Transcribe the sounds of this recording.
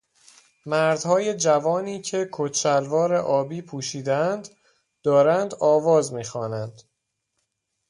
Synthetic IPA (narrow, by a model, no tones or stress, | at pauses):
mæɾd̪̥hɒːje̞d͡ʒævɒːniːcʰe̞kʰot̪t͡ʃælvɒːɾeʔɒːbiːpʰuːʃiːd̪eænd̪ | d̪̥ɒːɾænd̪ɒːvɒːzmiːxɒːnænd̪̥